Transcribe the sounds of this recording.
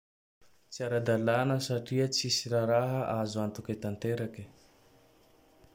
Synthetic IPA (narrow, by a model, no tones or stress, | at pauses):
t͡siaɾad̪alanəsaʈ͡ʂiət͡sisiɾaɾaɦəʔazuant̪uket̪ant̪eɾaki̥